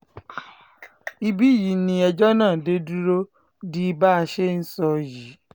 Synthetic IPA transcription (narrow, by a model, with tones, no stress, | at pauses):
i˧bi˦˨ji˨nĩ˧ɛ˧d͡ʒɔ˦nãː˦˨de˦du˦ɾo˦ | di˦˧ba˦a˧ʃe˦n̩˦sɔ˧ji˨˦